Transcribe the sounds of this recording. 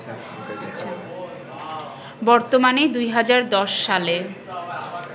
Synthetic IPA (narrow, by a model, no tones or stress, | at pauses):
aɕʰa | bɔɾt̪omaned̪ujɦad͡ʑaɾd̪ɔʃːale